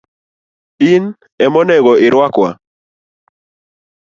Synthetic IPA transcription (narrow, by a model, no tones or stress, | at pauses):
in | ɛmɔnɛɡɔɪɾwakwa̰